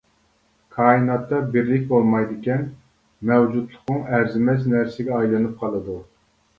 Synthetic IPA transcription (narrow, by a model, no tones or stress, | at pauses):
kʰɑːinɑt̪ːɑbɪɾlɪk̚ʲbolˠmɑjd̪ɨkʲɛn | mɛwd͡ʒut̪lˠʊqmʊŋæɾzɪmɛt͡ʃnæɾsɪɡʲɛɑjlˠɨnɨp̚qʰɑlˠɨd̪u